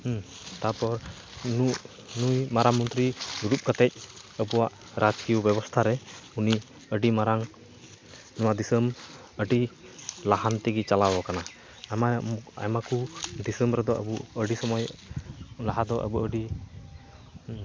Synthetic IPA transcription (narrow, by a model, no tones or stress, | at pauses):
t̪apɔɾ | nuʔ | nujmaɾamɔnt̪ɾiuɾup̚kət̪ɛc̚əbuwaʔ | ɾʔad͡ʒkiɔbɛbɔst̪ʰaɾɛuni | əɖimaɾaŋ | nɔwad̪isəm | əɖi | laɦant̪ɛɡit͡ʃalabɔkana | maa̰makud̪isəmbɾɛd̪ɔʔə̰buəɖisɔmɔj | laɦad̪ɔʔə̰buəɖi